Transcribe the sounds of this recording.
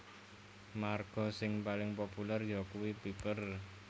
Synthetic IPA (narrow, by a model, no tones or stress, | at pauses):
marɡ̥ɔ̤sɪŋpalɪŋpopulɛrjɔkuwipipər